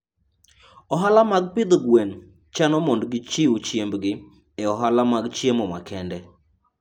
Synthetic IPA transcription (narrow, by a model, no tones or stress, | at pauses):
ɔɦalamaɡ̚pɪd̪ɡwen | t͡ʃanɔmɔndɡɪt͡ʃiut͡ʃjembɡɪ | ɛɔɦalamaɡt͡ʃjemɔmakʰɛndɛ